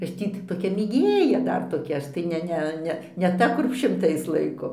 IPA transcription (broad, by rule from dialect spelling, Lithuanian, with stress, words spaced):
ˈɐʃ ˈtʲiː t toːˈkʲɛ mʲeːˈɡʲeːjɛ ˈdɐr toːˈkʲɛ ˈɐʃ tɐɪ ˈnʲɛ ˈnʲɛ ˈnʲɛ nʲɛ ˈtɐ kʊr ʃʲɪmˈtɐɪs ˈlˠɐɪkoː